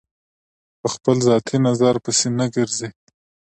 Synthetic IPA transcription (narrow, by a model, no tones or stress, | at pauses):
pəxpəlzɑt̪ʰinazaɾpəsenaɡəɾze